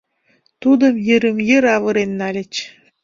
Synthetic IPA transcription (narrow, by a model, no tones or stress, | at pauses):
t̪ud̪ə̆mjə̆ɾə̆mjə̆ɾɑβɤ̆ɾenːɑlʲĕt͡ɕ